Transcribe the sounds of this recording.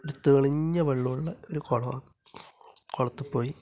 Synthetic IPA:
ɾut̪ːuɣɐɭiɲːɐʋɐɭːuuɭːɐoɾukoɭɐ | koɭɐt̪ːɨpːo̞ːji

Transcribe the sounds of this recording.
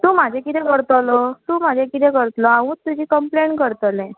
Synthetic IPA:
t̪uːmad͡ʑʱekit̪ɛkəɾt̪əlɔt̪uːmad͡ʑʱekit̪ɛkəɾt̪lɔaʋũt̪ud͡ʑiːkəmpleɳkəɾt̪əlɛ̃

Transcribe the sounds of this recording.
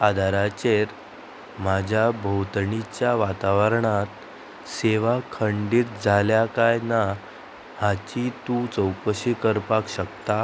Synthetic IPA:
ad̪ʱaɾat͡ɕeɾ | mad͡ʑʱjabʱəwt̪ɳit͡ɕjaʋat̪aʋəɾɳat̪ | seʋakʰəɳɖiːt̪̚d͡zʱaljakajna | hat͡ɕit̪ũt͡səwkəɕiːkəɾpakɕək̚t̪a

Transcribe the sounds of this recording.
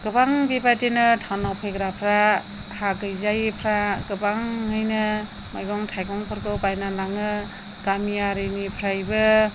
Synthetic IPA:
ɡ̥ɯbaŋbibajtenɯtʰawnawpʰejɡɾapʰɾa | haɡɯjzajpʰɾaɡɯbaŋːɯjnɯ | majɡɔŋtʰajɡɔŋpʰɯɾɡɯbajnanaŋɯ | ɡ̥amiaɾɯnipʰɾajbɯ

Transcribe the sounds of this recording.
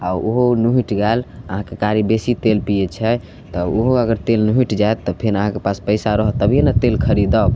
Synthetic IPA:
aoɦonuɦiʈɡɛləɦãkekaɾibesit̪elpijet͡ʃʰɛ | t̪ɔoɦoəɡəɾt̪elnuɦiʈd͡ʒaet̪ːɔpʰeɾəɦãkepaspəɪsaɾɔɦət̪əbʱijenət̪elkʰəɾid̪əb

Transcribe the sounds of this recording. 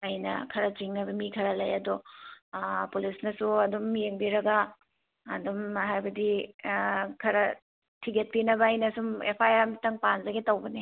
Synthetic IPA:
ɐjnɐ̰kʰɐɾɐt͡ʃiŋnɐbɐmikʰɐɾɐlɐjɐdɔ | pulisnɐsuɐdumːijeŋbiɾɐɡɐː | dumɦajbɐdi | kʰɐɾɐ | tʰiɡet̚pinɐbɐːjnɐsumḛpʰajaɾmitɐŋpanzɐɡetɐwbɐne

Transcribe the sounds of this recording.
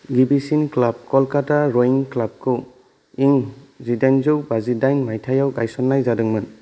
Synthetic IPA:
ɡibisinklab̚kɔlkataɾɔiŋklab̚kʰɯw | iŋzidajnzɯwbazidajnmajtʰajawkajsɔnːajzadɯŋmɯn

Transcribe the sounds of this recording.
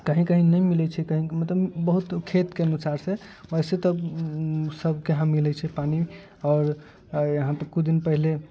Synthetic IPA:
kəɦĩkəɦĩnəjmilɛt͡ʃʰɛkəɦĩmət̪ləbbəɦut̪kʰet̪keənusaɾseoiset̪ɔ | səbʱkeɦãmilɛt͡ʃʰɛpani | ɔːɾ | jəɦãp̪əkud͡ʒd̪inpəɦile

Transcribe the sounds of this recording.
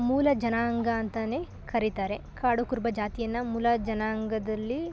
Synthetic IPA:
muːlɐd͡ʒɐnaɐŋɡɐːnt̪ɐneː | kɐɾit̪aːɾe̞ | kaːɽukuɾbɐd͡ʒaːt̪ijɐnːɐmuːlɐd͡ʒɐnaːɐŋɡɐd̪ɐlːi

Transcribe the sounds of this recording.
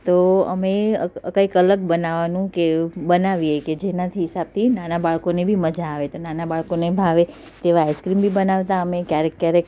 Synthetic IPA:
t̪oə̰meəəkəikələɡ̚bənaʋanũkebənaʋieked͡ʒenat̪ʰiɦɪsab̚t̪ʰinanabaɭkonebʱiməd͡ʒaːʋet̪onanabaɭkonebʱaʋe | t̪eʋaajskɾimbʱibənaʋt̪aəmekjaɾekːjaɾek

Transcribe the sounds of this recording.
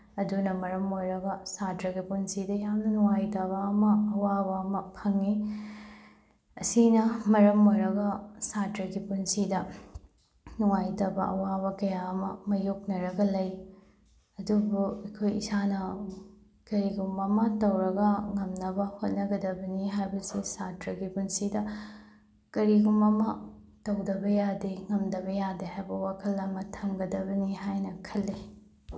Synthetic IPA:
ɐdunɐmɐɾɐmojɾɐɡɐsatɾɐɡipunsidɐjamnɐnuŋajtɐβɐːmɐːwaβaɐmɐpʰɐŋːi | ɐsinɐmɐɾɐmojɾɐɡɐsatɾɐɡipunsidɐ | nuŋajtɐbɐʔɐ̰waβɐkɐjaɐmɐmɐjok̚nɐɾɐɡɐlɐj | ɐdubuɐkʰojḭsanɐ | kɐɾiɡumɐmɐtɐwɾɐɡɐŋɐmnɐbɐhot̚nɐɡɐdɐbɐniɦajbɐsisatɾɐɡibunsidɐ | kɐɾiɡumɐmɐ | tɐwdɐbɐjadiŋɐmdɐbɐjadihajbɐwakʰɐlːɐmɐtʰɐmɡɐdɐbɐniɦajnɐkʰɐlːi

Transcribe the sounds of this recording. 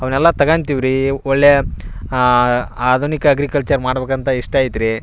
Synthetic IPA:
ɐʋɐnɛlːɐt̪ɐɡant̪iʋɾiɔɭːe | aːd̪ʱunikɐːɡɾikɐlt͡ʃɐɾmaːɽbeːkɐnt̪ɐiʂʈɐjt̪ɾi

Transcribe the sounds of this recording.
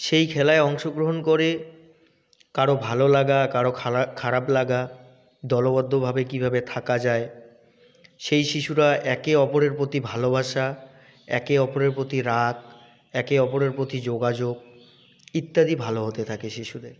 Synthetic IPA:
ʃejkʰɛlaeɔŋʃoɡɾoɦonkoɾe | kaɾobʱalolaɡakaɾokʰkʰaɾaplaɡa | d̪ɔlobɔd̪ʱːobʱabekibʱabet̪ʰakad͡ʑae | ʃejʃiʃuɾaʔɛkeɔpoɾeɾpɾot̪ibʱalobʱaʃa | ɛ̰keɔpoɾeɾpɾot̪iɾak̚ | ɛkeɔpoɾeɾpɾot̪id͡ʑoɡad͡ʑoɡ̚ | it̪ːad̪ibʱaloɦot̪et̪ʰakeʃiʃud̪eɾ

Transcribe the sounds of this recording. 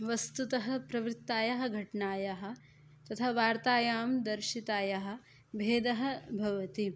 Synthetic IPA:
ʋɐst̪ut̪ɐɦɐ̆pɾɐʋɾɪt̪ːaːjɐɦɐ̆ɡʱɐʈɳaːjɐɦɐ̆ | t̪ɐt̪ʰɐʋaːɾt̪aːjaːmd̪ɐɾʃit̪aːjɐɦɐ̆ | bʱeːd̪ɐɦɐ̆bʱɐʋɐt̪i

